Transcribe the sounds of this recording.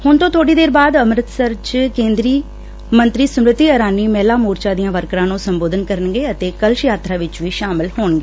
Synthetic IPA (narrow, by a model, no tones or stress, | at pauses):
hʊnt̪õːt̪ʰoːɽiːd̪eːɾbaːd̪əmɾət̪səɾt͡ʃkẽːnd̪ɾiː | mənt̪ɾiːsʊmɾɪt̪iːəɾaːniːmɛːlaːmuːɾt͡ʃaːd̪ijãːʋəɾkɾãːnũːsəmboːd̪ənkəɾənɡeːət̪eːkəlʃjaːt̪ɾaːʋɪt͡ʃʋiːʃaːmɪlɦoːɳɡeː